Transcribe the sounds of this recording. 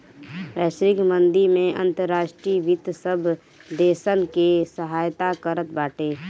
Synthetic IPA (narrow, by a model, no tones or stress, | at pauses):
ʋɛːʃɾɪkmə̃nd̪iɾmẽʔɐ̰̃nt̪əɾːaːʃʈɾiːʋɪt̪səbʱ | d̪eːsənkesəɦaːjt̪akəɾət̪baːʈeː